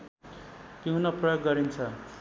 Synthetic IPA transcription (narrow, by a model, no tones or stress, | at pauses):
t̪jiɦũnʌprʌjoɡːʌɾint͡sʰʌ